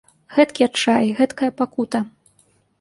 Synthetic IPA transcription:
ɣɛt̪kʲiɐt͡ʂajɣɛt̪kɐjɐpakut̪ɐ

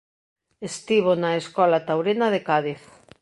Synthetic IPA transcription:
est̪iβ̞onaeskɔlat̪awɾinaðekaðiθ

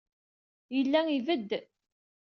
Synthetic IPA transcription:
jəlːæŋivəd̪ː

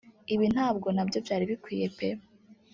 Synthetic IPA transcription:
iβin̥haːbɡo̞nabjo̞vjaːɾiβikwiːje̞pe

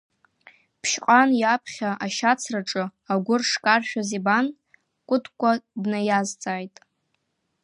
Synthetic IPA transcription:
pʰʃqʼanjapʰχʲaʔaʃat͡sʰraʈ͡ʂʼɨaɡʷʊrʂkʼarʃᶣaziban | kʷʼʊtʰkʷʰʼadnajazt͡sʼaːjtʼ

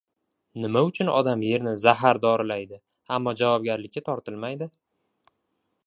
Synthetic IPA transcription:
nɪmaʊt͡ʃʰʊnɒ̰d̪amje̞ɾnɪzaɦaɾd̪ɒɾɪlajd̪ɪ | amːɒd͡ʒavɒb̚ɡʲaɾlɪkʲʰːat̪ʰɒɾt̪ʰɪlmajd̪ɪ

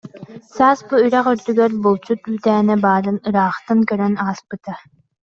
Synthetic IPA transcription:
saːsbuyɾɛχyɾd̪yɡœɾbulˠt͡ɕut̪yːt̪æːnɛbaːɾɯnɯɾaːχt̪ɯŋkœɾœnaːspɯt̪a

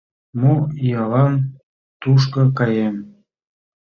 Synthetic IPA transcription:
muijɑlɑn | t̪uʃ̬kɤ̆kɑjem

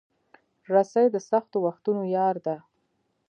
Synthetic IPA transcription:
ɾasajd̪əsaxt̪owaxt̪unojɑɾd̪a

